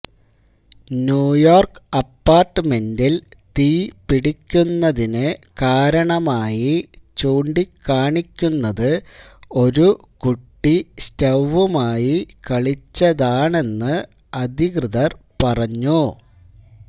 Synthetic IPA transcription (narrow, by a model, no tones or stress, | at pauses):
njuːjoːrkɐpːaːrʈːɨme̞ndilt̪iːpiɽikʲːunːɐðinɨkaːɾɐɳɐmaːjit͡ɕuːɳɖikːaːɳikʲːunːɐðɨo̞ɾu | kuʈːistɐʋːumaːjikɐɭit͡ɕːɐðaːɳe̞nːɨ | ɐd̪ʱikrɨðɐrpɐrɐɲːu